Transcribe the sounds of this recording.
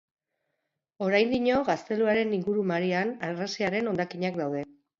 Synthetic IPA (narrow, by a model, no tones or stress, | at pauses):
o̞ɾajnd̪iɲo̞ɣast̪e̞luaɾe̞niŋɡuɾumaɾianarasiaɾe̞no̞nd̪akiɲakd̪awðe̞